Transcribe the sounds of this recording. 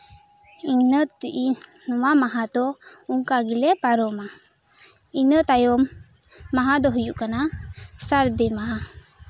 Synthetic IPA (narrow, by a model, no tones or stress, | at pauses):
iɲnət̪ːiʔinɔwamaɦat̪ɔuŋkaɡilɛpaɾɔma | inət̪ajɔmː | aɦad̪ɔɦujuʔkanasaɾd̪ɛmaɦa